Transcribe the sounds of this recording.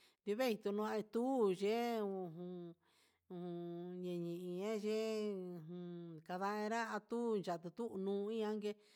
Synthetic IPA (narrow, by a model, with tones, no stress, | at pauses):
d̪i˧βe˦i˧t̪u˧nũ˧ã˧i˧t̪u˦˨ʒe˦ũ˧˨ɦũ˧ | ũ˧˨hũ˧ɲẽ˨ɲĩ˨ĩ˧ã˦ʒe˦˧ | ũ˧ka˧ða˦˧ẽ˧ɾa˦a˧t̪u˦nd͡ʒa˨t̪u˧t̪u˦˧nũː˧˦˧ĩ˦ã˦ŋɡe˧